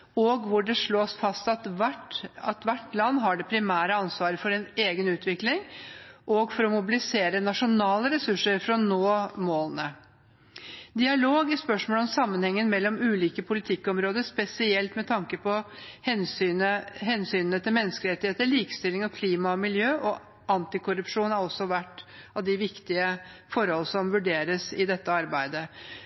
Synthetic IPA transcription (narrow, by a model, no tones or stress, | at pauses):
ɔɡʋʊɖɛʂɭoːsfɑst̪ɑt̪ʈɑt̪ʋæʈːlɑnːɦɑɖɛpʰɾɪmæːɾəɑnsʋɑːɾəfɔɾɛneːɡənʉːt̪ʋɪklɪŋʔɔɡfɔɾɔmʊbɪlɪseːɾənɑʂʊnɑːləɾɛsʉʂːəɾfɾɑnoːmoːlnə | d̪ɪɑloːɡɪspœʂmoːlɔmsɑmːənhɛŋːənmɛlːɔmʉːliːkəpʰʊlɪt̪ʰɪkːɔmɾoːd̪əspɛsɪɛlt̪mɛt̪ʰɑŋkəpɔhɛnynəɦɛnsyːnnət̪ʰɪlmɛnːəskəlɪɾɛt̪ːɪheːt̪əɭiːkə̥st̪ɪlːɪŋɔkʰliːmɑɔmɪljøːʔɔ | ʔɑnt̪ɪkʰʊɾʉpʂuːnhɑɾɔsːɔʋæʈːɑʋd̪ɪʋɪkt̪ɪəfɔɾhɔlːəsɔmʋʉɖeːɾəsɪd̪ɛt̪ːəɑɾbæɪd̪ə